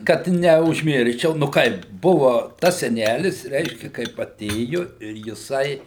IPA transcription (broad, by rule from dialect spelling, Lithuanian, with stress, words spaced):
ˈkɐt nʲɛʊʒʲˈmʲɪrʲʃʲt͡ʃʲɛʊ nʊ ˈkɐɪp ˈbʊʋʊ ˈtɐs sʲɛˈnʲælʲɪs ˈrʲɛɪʃʲkʲɛ kɐɪp ɐˈtʲeːjʊ ɪr jɪˈsɐɪ